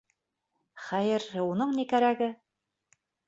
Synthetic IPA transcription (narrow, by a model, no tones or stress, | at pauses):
χæjɘɾunɤɴnikæɾæɡɘ